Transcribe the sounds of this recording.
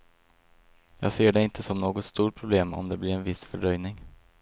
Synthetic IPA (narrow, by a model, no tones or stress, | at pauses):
jɑ̰ːɡseːɖɛɪnt̪ʰəsɔmnoːɡɔt̪st̪uːʈ̚pʰɾʊbleːmɔ̰md̪ɛblɪɾɛnvɪsfœɖœjnɪŋ